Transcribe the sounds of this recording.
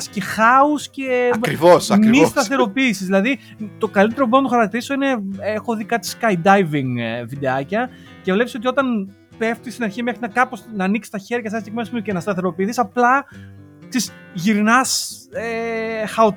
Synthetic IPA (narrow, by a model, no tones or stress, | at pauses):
sce̞xɐusceɐɾivosɐmist̪ɐθθe̞ɾo̞piːsizðilɐði | t̪o̞kɐlit̪eɾopbnɐt̪oxɐɾɐkt̪iɾiso̞ine̞exo̞ðikɐt̪i̥skɐjd̪ɐjviŋvid̪e̞ɐcɐ | ce̞vle̞pso̞t̪io̞t̪ɐn | pe̞ft̪ist̪inɐɾçime̞xɾinɐkɐpo̞snɐːniksi̥t̪ɐçe̞ɾʝɐseɐst̪iɣmesmicenɐst̪ɐθe̞ɾo̞piːθisɐplɐ | kt͡sisʝiɾinɐsexɐo